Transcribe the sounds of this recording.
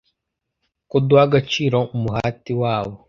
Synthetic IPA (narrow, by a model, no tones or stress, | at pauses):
kudwaɡat͡ʃiːɾoumuhatiwaːβo